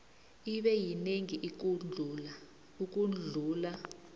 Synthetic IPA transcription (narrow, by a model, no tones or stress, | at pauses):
iɓɛjineŋiʔik̬uula | uk̬ʼund͡ɮʱuːla